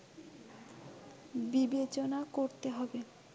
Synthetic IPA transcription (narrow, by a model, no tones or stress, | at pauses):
bibet͡ɕonakoɾt̪eɦɔbe